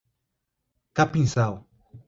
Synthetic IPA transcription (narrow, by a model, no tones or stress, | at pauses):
kapĩnsaw